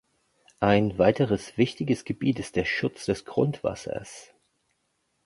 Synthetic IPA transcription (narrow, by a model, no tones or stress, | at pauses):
ʔaɪnvaɪtəʁəsv̥ɪçtɪɡəsɡ̥əbiːtɪst̚d̥eːɐʃʊt͡sd̥ɛsɡ̥ʁʊ̰ntv̥a̰sɐ̰s